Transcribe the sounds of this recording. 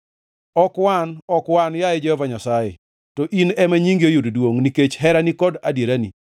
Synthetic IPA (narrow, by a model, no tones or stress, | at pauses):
ɔkwanɔkwanjaed͡ʒɛhɔvaɲasajḛ | tɔʔinɛmaɲiŋɡiojuddwoŋniket͡ʃɦɛɾanikɔdadjeɾanḭ